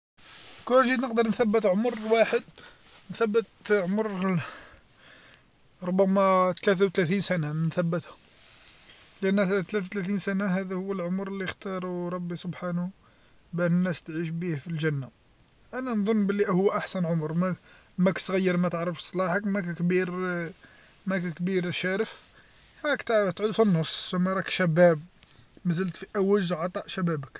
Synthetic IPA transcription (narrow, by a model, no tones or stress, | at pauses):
kunʒid̪nəqd̪əɾˤnθæbːət̪ʕomrwaħəd̪ | nθæbːət̪ʕoməɾˤ | ɾˤʊbːæmæt̪læθ̬awt̪læθinsænamnθæbːət̪hʊ | lʔænːt̪læθwt̪læθinsænaɦæd̪æhʊwːəlʕomɾˤəlːixt̪ɑɾˤuɾˤɑbːisʊbħanu | bənənːæst̪ʕiʃbihfilʒænːa | ʔænænðˤonːbəlːiʔhʊwːʔaħsænʕʊmɾmæ | mækt̪ɣæjːəɾˤmæt̪əʕɾəfsˤlɑħəkmækækbiɾ | mækækbiɾʃæɾəf | hækt̪t̪ʕud̪finːosˤːsəmːæɾˤɑkʃæbæb̚mæzəlt̪fiʔæwəʒʕɑt̪ˤɑʔʃæbæbək